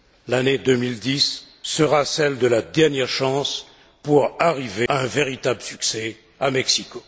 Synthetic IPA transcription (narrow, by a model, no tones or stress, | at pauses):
laned̪ømild̪isː | əʁasɛld̪əlad̪ɛʁnjɛʁʃɑ̃s | puʁaʁiveaɛ̃veʁit̪abləsyksɛ | amɛksiko